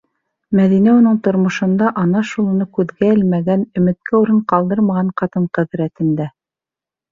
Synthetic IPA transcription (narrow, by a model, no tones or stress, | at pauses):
mæðinæunɤɴt̪ŏɾmŏʃɤ̆nd̪ɑʔɑnɑʃulˠŭnɤkʉðɡæɘlmæɡænɵ̆mɘ̆t̪̚kæuɾɤɴqɑlˠd̪ɤɾmɑʁɑɴqɑt̪ɤɴqɘ̆ðɾæt̪ɘ̆nd̪æ